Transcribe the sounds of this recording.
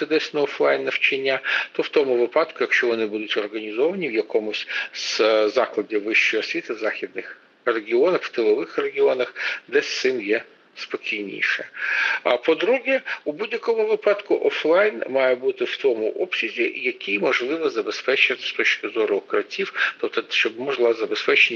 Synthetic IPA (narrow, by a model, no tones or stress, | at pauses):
t̪ɪd̪ɛsʲnɐɔflˠɑjnːɐwt͡ʃɐnʲːat̪ɔwt̪ɔmʊʋɪpɑd̪kʊjɐkʃt͡ʃɔʋɔnɪbud̪ʊtʲɔrɣɐnʲizɔʋɐnʲiwjɐkɔmʊsʲzzɑklˠɐdʲiʋɪʃt͡ʃɔjɔsʲʋʲit̪ɪzɑxʲid̪nɪx | reɡʲiɔnɐxw̥t̪ɪlˠɔʋɪxreɡʲiɔnɐxd̪ɛsʲt̪sɪmjɛ | spɔkʲijnʲḭʃɛ | pɔd̪ɾuɦɛubudʲjɐkɔmʊʋɪpɑd̪kʊʔɔflˠɑjnmɑjɛbut̪ɪw̥t̪ɔmʊ̰ʔɔpsʲizʲijɐkʲijmɔʒlˠɪʋɔzɐbespɛt͡ʃɐt̪st̪ɔt͡ʃkɪzɔɾʊkɾɐtʲiwt̪ɔpt̪ɔʃt͡ʃɔbmɔʒlˠɑzɐbespɛt͡ʃenʲ